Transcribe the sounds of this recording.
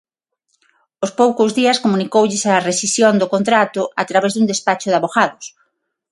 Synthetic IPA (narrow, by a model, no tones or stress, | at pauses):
ospowkʊzðiɐskomunikowʎɪsaresisjond̪okont̪ɾat̪ʊʔat̪ɾaβɛzðund̪espat͡ʃʊðaβoɣaðʊs